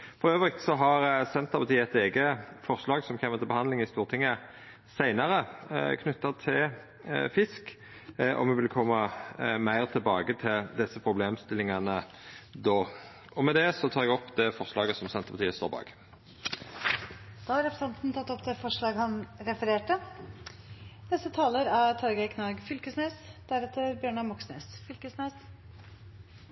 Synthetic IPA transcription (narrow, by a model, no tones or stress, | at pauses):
fɔʁøːʋəʁɪkt̪sɔɦɑʁsɛnt̪əʁpɑt̪ʰiːəɛt̪eːɡəfɔʁʂlɑːɡsɔmçeːmət̪ʰɪlbəhɑnd̪lɪŋɪst̪uːʁt̪ʰɪŋːə | sæɪnɑʁəkʰnʉt̪ːɑt̪ʰɪl | fɪsk | ʔɔ̰mʋɛʋɪlkʰɔmːɑmæɪʁt̪ʰɪlbɑːɡət̪ʰɪld̪ɪsːəpʰʁʊbleːmst̪ɪlɪŋɑnə | d̪oː | ʔɔmɛd̪ɛsɔt̪ʰɑːɾɛɡɔpːd̪ɛfɔʁʂlɑːɡəsɔmsɛnt̪əpʰɑt̪iːəst̪o̰ːɾbɑ̰ːɡ | d̪̥ɑːhɑɾɛpɾəsɛnt̪n̩t̪ʰɑt̪ːɔpːt̪ɛfɔʂɭɑːɡhɑnɾɛfəɾeːʈə | nɛst̪ət̪ʰɑːləɾæt̪ʰɑɾɡæɪkʰnɑːɡfʏlkəsneːsd̪̥æɾɛt̪əɾbjøːɳɑmɔksnḛːsfʏlkəsneːs